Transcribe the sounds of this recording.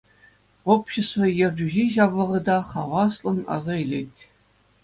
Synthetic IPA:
opɕĕst̪vɤ̆jĕrʲd͡ʑyʑeʑɑvlˠɤ̆ʁɤ̆d̪ɑχɑʋɑslˠɤ̆nɑ̰zɑilʲetʲ

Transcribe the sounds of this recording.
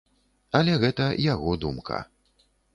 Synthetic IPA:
ɐlʲɛɣɛt̪ɐjaɣɔd̪umkʰɐ̰

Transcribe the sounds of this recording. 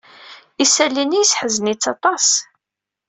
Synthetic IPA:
isælːinijsħəznit͡sːɑt̪ˤɑs

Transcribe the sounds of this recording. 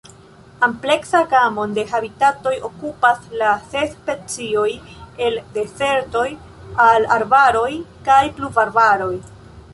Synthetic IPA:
ample̞ksaɡamo̞nde̞ɦabitato̞jo̞kupaslase̞spe̞t͡sio̞je̞lde̞se̞ɾto̞j | alaɾbaɾo̞jkajpluvaɾbaɾo̞j

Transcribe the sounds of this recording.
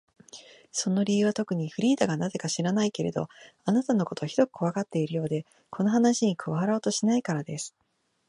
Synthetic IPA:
so̞no̞ɾʲiɯ̟βat̪o̞kɯ̟ɲ̟iɸɯ̟ɾʲiːt̪aɡanaze̞kaɕiɾanaike̞ɾe̞̰d̪o̞̰anat̪ano̞ko̞t̪o̞çid̪o̞kɯ̟̥ko̞βakat̪ːe̞iɾɯ̟jo̞ːd̪e̞ | kʰo̞no̞ɦanaɕiɲ̟ikʰɯ̟βaaɾao̞ːt̪o̞ɕinaikaɾad̪e̞sɨ̥

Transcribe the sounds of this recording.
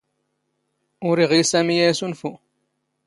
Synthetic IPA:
ʊɾiʁisæmijæjsunfu

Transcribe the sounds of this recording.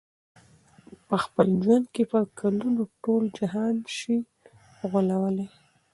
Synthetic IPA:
pəxpəld͡ʒwand̪̚kepəkʰalunoʈold͡ʒaɦɑnʃi | ɣʊlawəle

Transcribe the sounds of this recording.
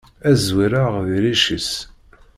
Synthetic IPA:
æzwiɾaʁvɾiʃəs

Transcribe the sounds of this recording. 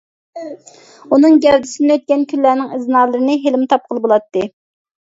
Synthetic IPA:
unɨŋɡʲɛɾd̪ɪsɪnɪøt̪̚kʲɛnkʲʰynlːæːnɪŋɪznɑːlˠəɾɨnɨɦelɪmt̪ʰɑp̚qʰəlˠɨbolˠɑt̪ʰːɨ

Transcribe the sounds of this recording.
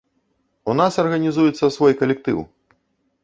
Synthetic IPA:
unasɐrɣɐnʲizujɛt̪sːɐsvɔjkɐlʲɛk̚t̪ɨ̰w

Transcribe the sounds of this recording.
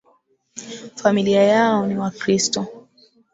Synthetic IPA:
familiajaɔniwakɾistɔ

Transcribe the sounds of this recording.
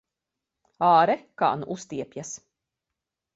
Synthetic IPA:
aːɾɛka̰ːnuʔust̪iɛpjas

